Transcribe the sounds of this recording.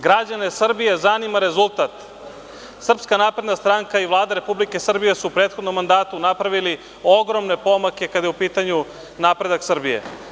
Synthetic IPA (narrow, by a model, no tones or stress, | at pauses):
ɡɾad͡ʑane̞sr̩bije̞zanimaɾe̞zulˠt̪at̪ | sr̩pskanaːpɾed̪nast̪ɾaŋkaiʋlˠaːd̪aɾe̞publike̞sr̩bije̞suːpɾeːt̪xod̪no̞mːand̪aːt̪unapɾaʋili | o̞ɡɾo̞mne̞po̞make̞kad̪jeupiːt̪aɲu | naːpɾe̞d̪aksr̩bije̞̰